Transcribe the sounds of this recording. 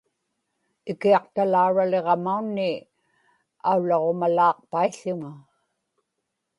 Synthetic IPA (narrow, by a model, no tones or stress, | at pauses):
ɪkiɑqt̪alauɻale̞ʁɑmaunːɪ | aulːɑʁo̞malɑːq̚paiɬːʊŋa